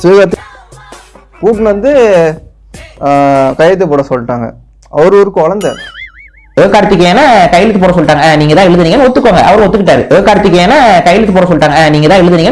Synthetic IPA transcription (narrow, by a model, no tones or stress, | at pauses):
siːɣaːt̪ː | kuːʈ̬ːnʋɐnd̪ɯ | kɐjɐt̪ːɯpoːɽɐsɔlʈːaːŋɡɐ̰ | ɐʋɐɾɯɔɾɯkːɔlɐnd̪ɐ | eːkaːɽɯt̪ːɯk̬ʲːeːnːakɐjːɪlt̪ːɯpoːɽɐ̃sɔlːʈːaːŋɡɐniːŋɡɐt̪ãːɪɭːɐðɯniːŋɐnɔt̪ːɯkːaːŋɡɐʔɐʋɐɾɔt̪ːɯkːɪʈːaːɾɯʔeːkaːɽɯt̪ːɯk̬ʲːɐ̃eːnːakɐjɪlɪt̪ːɯpoːɽɐsɔɭːʈːaːŋɡɐniːŋɡɐt̪ãːɪɭːɐðɯniːŋɡɐ